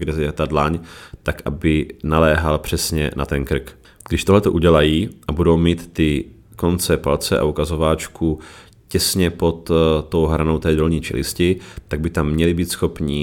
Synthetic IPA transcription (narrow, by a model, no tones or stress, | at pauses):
ɡdɛzɛt̪adlaɲt̪akʔa̰bɪnalɛːɦalpr̝̥ɛsɲɛ̰nʔa̰t̪ɛnkr̩k | ɡ̥dɪʃt̪o̞ɦlɛt̪o̞ʔuɟɛlajiːʔabudowmiːt̪ːɪ | ko̞nt͡sɛpalt͡sɛʔa̰ʔukazo̞vaːt͡ʃkʰu | cɛsɲɛpo̞t̪t̪ːo̞wɦɾanowt̪ɛːdolɲiːt͡ʃɛ̰lɪ̰scɪt̪aɡ̚bɪt̪amːɲɛlɪbiːt̪sxo̞pɲi